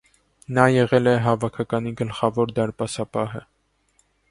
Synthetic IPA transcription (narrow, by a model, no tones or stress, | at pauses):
nɑjɛʁɛlɛɦɑvɑkʰɑkɑniɡəlχɑvɔɾd̪ɑɾpɑsɑpɑɦə